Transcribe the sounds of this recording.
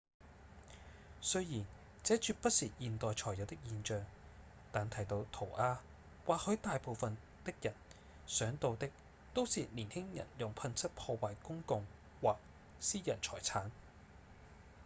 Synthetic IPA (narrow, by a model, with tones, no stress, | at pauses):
sɵ˥ɥjiː˨˩n | t͡sɛː˨˥t͡ʃyː˧t̚pɐ˥t̚siː˨jiː˨nt̪ɔː˨jt͡ʃʰɔː˨˩jɐ˨˧wt̪ɪ˥k̚jiː˧nt͡ʃœː˨˧ŋ | t̪aː˨nt̪ʰɐ˨˩jt̪o˧wt̪ʰo˨˩wʔaː˧ | waː˨k̚hɵ˨˧˥t̪aː˨˧jpo˨˧wfɐ˨n | t̪ɪ˥k̚jɐ˨˩n | sœː˨˥ŋt̪o˧wt̪ɪ˥k̚ | t̪o˥wsiː˨liː˨˩nhɪ˥ŋjɐ̰˨˩njʊ˨˩ŋpʰɐ˧nt͡sʰɐ˥t̚pʰɔː˧waː˨jkʊ˥ŋkʊ˧ŋ | waː˨k̚ | siː˥jɐ˨˩nt͡sʰɔ̰ː˨˩jt͡sʰaː˨˥n